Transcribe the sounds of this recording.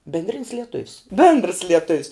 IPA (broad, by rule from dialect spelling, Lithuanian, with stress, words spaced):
bʲɪnʲdʲˈrʲɪnʲs lʲiɛˈtʊws bʲeːndrs lʲiɛˈtʊws